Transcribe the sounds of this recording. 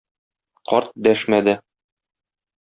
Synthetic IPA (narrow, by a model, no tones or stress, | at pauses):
qɒɾt̪̚d̪æʃmæd̪ɘ